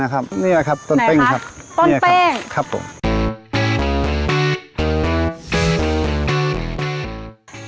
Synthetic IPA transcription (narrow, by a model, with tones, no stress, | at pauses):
a˦˥kʰa˦˥p̚niː˥˩la˧kʰa˦˥p̚t̪o˧˨np̪e˧˩ŋkʰa˦˥p̚nː˥˩laɛ˥˧kʰa˦˥pʰːo̰˨˩˦m